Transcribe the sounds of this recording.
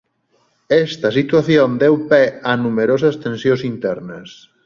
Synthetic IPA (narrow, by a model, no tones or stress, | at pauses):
ɛst̪ɐsit̪waθjond̪ɛwpɛɐnumeɾosɐst̪ẽnsjõsint̪ɛɾnɐs